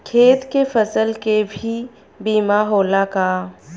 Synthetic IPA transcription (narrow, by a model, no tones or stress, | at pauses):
kʰeːt̪kefɐsəlkebʱi | biːmaɦoːlakaː